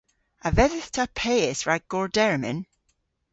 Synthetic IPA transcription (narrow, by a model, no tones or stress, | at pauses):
avɛðɪθtʰapʰɛjɛsɹaɡ̥ɔɹdɛɹmɪ̰n